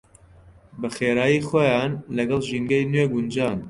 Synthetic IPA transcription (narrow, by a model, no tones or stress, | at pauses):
bɐxeːɾaːjiːxoːjaːnlɐɡɐlˠʒinɡɐjnweɡund͡ʒaːn